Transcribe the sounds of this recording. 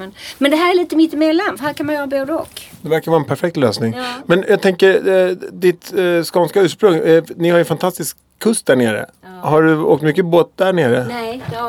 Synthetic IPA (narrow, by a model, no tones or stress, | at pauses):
ɛnmɛnd̪ɛɦæːɾɛliːt̪əmɪt̪ɪmeːlanfhæːɾkʰanmanjœːɾaboːd̪əɔ̰kd̪ɛvæɾkaɾvɑːɾɛnpʰæɾfɛk̚t̪lø̰ːsnɪŋmɛnjɑːɡ̚t̪ʰɛŋkəɾd̪ɪt̪skɔːnskaʉ̟ːʂpɾɵŋɛnɪhajɵfant̪ʰast̪ɪskʰːɵst̪̚d̪æɳḛːɾə̰ | haɖɵo̰ːk̚t̪mʏkːəboːt̪̚d̪æɳeːɾə